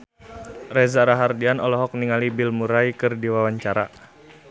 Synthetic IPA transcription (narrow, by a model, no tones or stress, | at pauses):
rɛzaɾaɦardianɔlɔɦɔk̚niŋalibɪlmuɾaikɨrdiwawaɲt͡ʃaɾa̰